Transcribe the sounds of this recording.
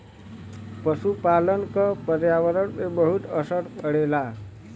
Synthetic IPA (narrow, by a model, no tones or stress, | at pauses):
pəsupalənkʌpəɾjaʋəɾəɽmebəɦut̪əsəʈpəɽela